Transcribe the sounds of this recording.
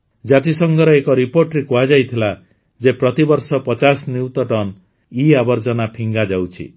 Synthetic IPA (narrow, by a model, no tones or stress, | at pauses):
d͡ʒat̪isɔŋɡʱɔɾɔekɔɾipoɾʈɾekuad͡ʒajt̪ʰila | d͡ʒepɾɔt̪ibɔɾsɔpɔt͡ʃasniwt̪ɔʈɔn | iabɔɾd͡ʒɔnapʰiŋɡad͡ʒawt͡ʃʰḭ